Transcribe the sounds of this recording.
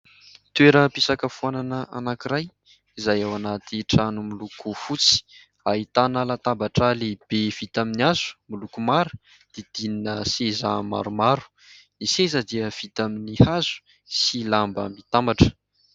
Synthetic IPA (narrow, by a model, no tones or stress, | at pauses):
t̪weɾəpisakəfuananəʔa̰nakiɾaj | izajawanat̪iʈ͡ʂanumilukufut͡si̥ | aɦit̪anəlat̪ambaʈ͡ʂaleb̥ev̥it̪aminiazu̥milukumaɾu̥ | d̪̥ed̪̥ininəseza̰ma̰ɾumaɾu̥ | nisezəd̪iəv̥it̪aminihazu̥ | silamba̰mbit̪ambaʈ͡ʂə̥